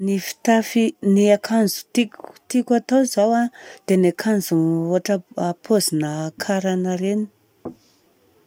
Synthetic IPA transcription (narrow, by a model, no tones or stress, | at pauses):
nifi̥t̪afiniakʰanzu̥t̪ikt̪ikat̪owzawad̪̥enakʰanzuoaʈ͡ʂəapʰozinəkʰaɾanəɾeni̥